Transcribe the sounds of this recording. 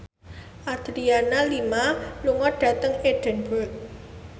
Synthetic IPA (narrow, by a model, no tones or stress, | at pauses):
ʔad̪̥ɾianalimaluŋɔɖ̥ä̤t̪əŋed̥ɛ̤nbɔt̪̚